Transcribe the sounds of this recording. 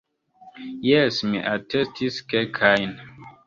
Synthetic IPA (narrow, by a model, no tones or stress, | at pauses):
jɛsmḭʔatʰɛstʰiskɛkʰajn